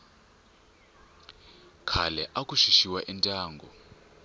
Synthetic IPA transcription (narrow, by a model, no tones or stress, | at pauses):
kʰalɛʔakʼuʃiʃiwaʔintʼaːŋɡʱɔ̰